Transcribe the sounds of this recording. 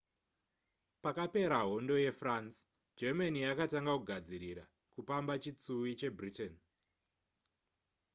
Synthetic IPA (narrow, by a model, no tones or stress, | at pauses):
pakape̞ɾaɦo̞ndo̞je̞frans | d͡ʒemanijakataŋɡakuɡʱad͡ziɾiɾa | kupambat͡ʃit͡suwit͡ʃe̞briten